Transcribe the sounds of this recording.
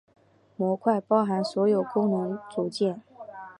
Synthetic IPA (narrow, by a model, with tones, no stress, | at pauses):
mwɔ˧˥kʰwa˥˩ɪpɑ˥ʊxa˧˥nswɔ˧˥jo˨˩ʊkʊ˥ŋnʊ˧˥ŋt͡su˨˩t͡ɕjɛ˥˩n